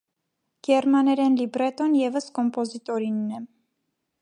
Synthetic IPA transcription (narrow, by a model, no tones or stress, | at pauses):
ɡ̥ɛɾmɑnɛɾɛnlibɾɛt̪ɔnjɛvəskɔmpɔzit̪ɔɾinːɛ